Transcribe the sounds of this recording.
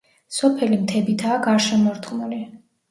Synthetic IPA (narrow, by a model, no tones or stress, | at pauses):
sɔpʰɛlimt̪ʰɛbit̪ʰaːɡaɾʃɛmɔɾt̪χnuli